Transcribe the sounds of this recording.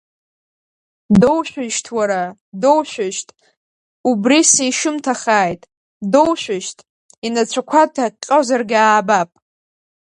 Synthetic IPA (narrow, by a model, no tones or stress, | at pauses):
do̞wʃʷᶣɪʃtʰwaɾa | do̞wʃᶣʷɪʃtʼ | ubrisiiʃɪmtʰaχaːjtʼ | dowʃʷᶣɪʃtʼ | inat͡ʃʷʰakʷʰatʰaqʲʼozarɡʲaːbapʼ